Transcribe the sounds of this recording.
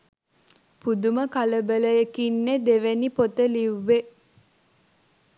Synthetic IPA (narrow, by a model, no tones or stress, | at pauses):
pud̪uməkaləbələjekinːed̪eʋenipot̪əliʋːe